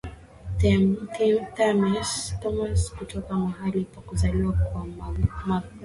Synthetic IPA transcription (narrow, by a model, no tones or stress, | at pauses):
tɛmt̪ʰimt̪amastɔmaskutɔkamahalikwakuzaliwakwama